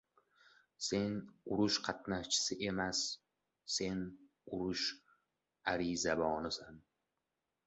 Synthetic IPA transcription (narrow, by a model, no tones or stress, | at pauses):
se̞nʊɾʊʃqʰɑt̪naʃt͡ʃʰɪ̥sɪʔe̞masː | e̞n | ʊɾʊʃ | aɾizabɒːnɪsan